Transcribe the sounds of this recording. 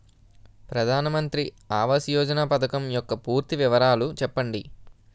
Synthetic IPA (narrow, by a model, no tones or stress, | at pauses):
pɾɐd̪ʱaːnɐmɐnt̪ɾi | aːʋɐsjɔːd͡ʒɐnaːpɐt̪ʰɐkɐmjɔkːɐpuːɾt̪iʋiʋɐɾaːlut͡ʃɛpːɐɳɖi